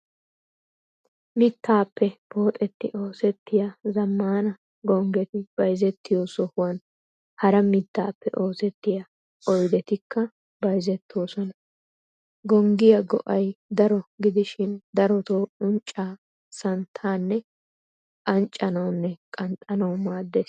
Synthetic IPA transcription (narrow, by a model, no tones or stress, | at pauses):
mɪt̪ʰːaːpːɛb̥o̞ːt̪ʼɛt̪ːɪʔo̞ːsɛt̪ːɪjazɐmːaːnɐ | ɡɔŋɡɛt̪ɪb̥ɐjzɛt̪ːɪjoːsɔhʊwɐn | hɐɾɐmɪt̪ːaːpːɛʔo̞ːsɛt̪ːɪja | ʔɔjd̪ɛt̪ɪkʰːɐ | bɐjzɛt̪ːwɔːsɔnɐ | ɡɔŋɡɪjɐɡɔ̰ʔɐjd̪ɐɾɔɡɪd̪ɪʃɪnd̪ɐɾɔt̪oːʊnt͡ʃʼːaː | sɐnt̪ʰaːnːɛ | kɐnt͡ʃʼːɐnɐwnːɛkʼɐnt̪ʼːɐnɐwmaːd̪ːeːs